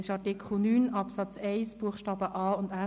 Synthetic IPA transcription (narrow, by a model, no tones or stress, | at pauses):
ɪʃɑtikʰl̩nyːnɑpsɑt͡seɪsb̥uəχʃtɑːbəʔɑːʊndæ